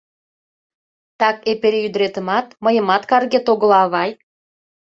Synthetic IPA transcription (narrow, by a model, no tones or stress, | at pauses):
t̪ɑkepeɾeyd̪əɾet̪ə̆mɑt̪məjə̆mɑt̪kɑrɣet̪oɣə̆lɑːβɑj